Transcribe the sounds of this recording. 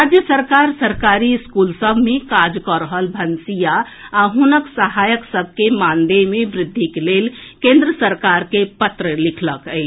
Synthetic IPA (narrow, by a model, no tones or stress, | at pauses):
ɾad͡ʒjəsəɾkaɾsəɾkaɾiskulsəbʱmekad͡ʒkɔɾəɦəlbʱənsija | aɦunəksəɦajəksəb̚ʱkemãnd̪emebɾɪd̪ʱːikelelkẽnd̪ɾəsəɾkaɾkepət̪ɾəlikʰləkəɪt͡ʃʰ